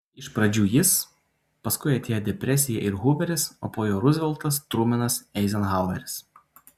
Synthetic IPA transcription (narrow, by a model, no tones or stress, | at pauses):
ɪʃpɾɐd͡ʒʲuːjɪs | pɐskʊɪɐt̪ʲeːjod̪ʲɛpʲɾʲɛsʲɪjɛʔɪɾɦʊːbʲɛɾʲɪso̰ːpoːjoːɾʊzʲʋʲɛlˠt̪ɐst̪ɾuːmʲɪnɐsɛɪzʲɛnɣɑˑʊɐɾʲɪs